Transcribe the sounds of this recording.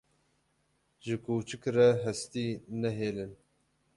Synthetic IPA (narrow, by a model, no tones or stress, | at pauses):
ʒɨkuːt͡ʃɨkɾɛɦɛst̪iːnɛɦeːlɨn